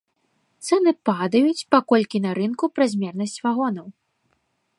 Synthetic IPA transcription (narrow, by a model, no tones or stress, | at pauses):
t̪sɛnɨpad̪ɐjut͡sʲpakɔlʲkʲinɐɾɨnkupɾɐzʲmʲɛrnɐsʲt͡sʲvaɣɔnɐw